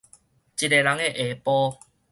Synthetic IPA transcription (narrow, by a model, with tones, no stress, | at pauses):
t͡ɕi˨te˨la˨˦ŋe˧˨ʔe˨pɔ˦